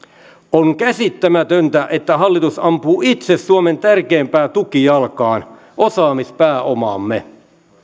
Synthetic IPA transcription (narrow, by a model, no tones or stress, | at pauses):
oŋkæsit̪ːæmæt̪ønt̪æʔet̪ːæɦɑlːit̪usɑmpuːit̪sessuoment̪ærkeːmpæːt̪ukijɑlkɑːn | ʔosɑːmispæːʔomɑ̰ːmːe